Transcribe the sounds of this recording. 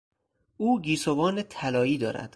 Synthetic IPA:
ʔuːɡiːsovɒːnet̪ʰælɒːiːd̪ɒːɾæ̰d̪̥

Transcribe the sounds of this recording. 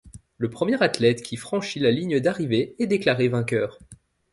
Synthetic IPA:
ləpχəmjɛʁat̪lɛt̪kʲifχɑ̃ʃilaliɲəd̪aʁiveɛd̪eklaʁevɛ̃kʲœːʁ

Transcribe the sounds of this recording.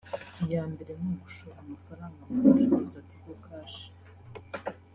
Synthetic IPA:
jaːmbeɾenoɡuʃoɾamafaɾaŋɡamuuʃuɾuzatiɡokaːʃi̥

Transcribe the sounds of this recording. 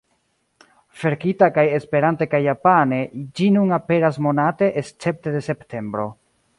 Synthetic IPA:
fe̞ɾkitakaje̞spe̞ɾante̞kajːapane̞d͡ʒinunape̞ɾas̬mo̞nate̞ʔest͡se̞p̚tede̞se̞ptʰe̞mbɾo̞̰

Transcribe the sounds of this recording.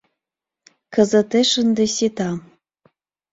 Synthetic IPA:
kɤ̆zɤ̆t̪eʃə̆nd̪ĕsʲit̪ɑ

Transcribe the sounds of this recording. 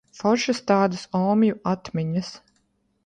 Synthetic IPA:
fɔɾʃɨst̪aːd̪ɨsɔːmjuat̪mʲiɲɐs

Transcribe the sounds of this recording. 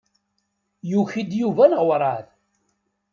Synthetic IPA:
juçid̪juvænʁwɾˤɑð

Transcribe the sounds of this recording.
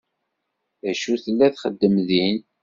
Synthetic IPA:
æʃuθəlːæθχəd̪ːəmðin

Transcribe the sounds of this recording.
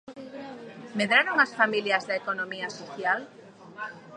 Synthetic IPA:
meðɾaɾoŋasfamiljɐzðaekonomiasoθjal

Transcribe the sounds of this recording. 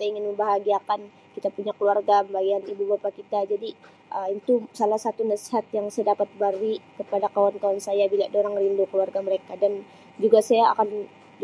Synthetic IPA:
t̪aiŋɪnməmbaɦaɡiakan | kit̪apuɲakəluarɡaəmbaɡianibubapakit̪ad͡ʒadi | ʔəit̪usalahsat̪unasi̥ɦat̪̚jaŋsajadapat̪̚baɾikəpadakawank̪awansajabiladoɾaŋrindukəluarɡaməɾekadan | d͡ʒuɡasajaa̰kan

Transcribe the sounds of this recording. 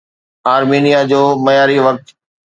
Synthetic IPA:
aːɾmiːnijad͡ʑoːmɐjaːɾiʋɐk̚t̪

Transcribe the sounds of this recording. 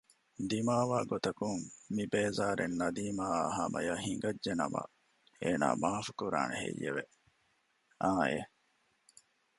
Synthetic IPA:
d̪imaːʋaːɡot̪ɐkuŋmibeːzaːɾenːɐd̪iːmaːaɦaːmɐjaːhiŋɡɐd͡ʒʒenɐ̰mɐ̰ | eːna̰ːmaːfukuɾa̰ːnehḛjeʋe | ʔaːe

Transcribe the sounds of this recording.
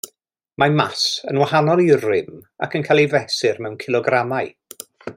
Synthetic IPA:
mamasənwahanɔlˠirɪma̰kʰənkʰajlˠivɛsɪrmɛwnkʰɪlˠɔɡramaj

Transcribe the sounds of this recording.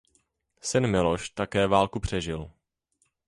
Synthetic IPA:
sɪnmɪloʃt̪akɛːvaːlkupr̝̥ɛʒɪl

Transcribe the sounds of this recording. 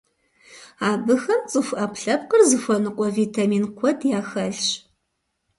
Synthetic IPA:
aːbɨxɐmt͡sʼɨfʷʔɐpɬɐp̚qərzɨfʷɔnɨqʷʼɔviːtʰaːmiːnkʷʰɔdjaːxɐɬɕ

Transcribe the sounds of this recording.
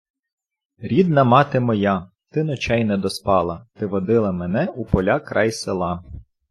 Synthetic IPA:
ɾʲid̪̚nɐmɑt̪emɔjɑ | t̪ɪnɔt͡ʃɛjnɛd̪ɔspɑlˠɐt̪ɪʋɔd̪ɪlˠɐmenɛupɔlʲakɾʔɑjselˠɑ

